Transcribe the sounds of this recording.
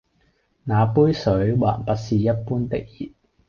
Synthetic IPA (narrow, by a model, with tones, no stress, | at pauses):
naː˨˧puː˥jsɵ˨˥ɥwaː˨˩npɐ˥t̚siː˨˩jɐ˥t̚puː˥nt̪ɪ˥k̚ji˨˩t̚